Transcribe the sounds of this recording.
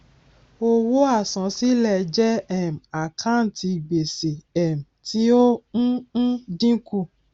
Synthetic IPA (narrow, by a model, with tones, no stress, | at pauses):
o˧wo˦a˦˨sɔ̃˨˦si˦lɛ˧˨˧d͡ʒɛ˦ɛ˦˨m̩˨a˨kʰã˦˨n̩˨˦tʰi˧˨ɡ͡be˨se˨ɛ˨m̩˨ti˦õ˦ | dĩ˦ku˦˧˨